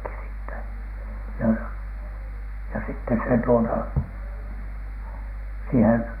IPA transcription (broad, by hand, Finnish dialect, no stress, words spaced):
siːtːæ jɑ jɑ sitːe se tuotɑ siːhem